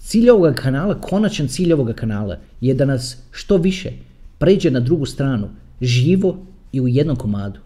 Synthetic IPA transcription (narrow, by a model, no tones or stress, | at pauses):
t̪siːʎʲo̞ʋo̞ɡakʰanaːlˠakʰo̞nat͡ʃant̪siːʎʲo̞ʋo̞ɡakanaːlˠa̰jed̪anasʃt̪o̞ʋiʃḛ | pɾe̞ːd͡ʑe̞nad̪ɾuɡust̪ɾaːnu | ʒiːʋo̞ | iujed̪no̞mko̞maːd̪u̥